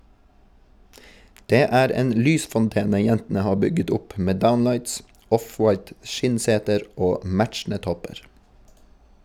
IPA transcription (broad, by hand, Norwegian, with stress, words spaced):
ˈdeː ˈæːɾ ˈeːn ˈlyːsfɔnˌteːnə ˈjɛntn̩ə ˈhɑː ˈbʏɡət ˈʊp ˈmeː ˈdaʊnˌlɑɪts ˈɔfwɑɪt ˈʃɪnˌseːtəɾ ˈoː ˈmæt͡ʃn̩ə ˈtɔpəɹ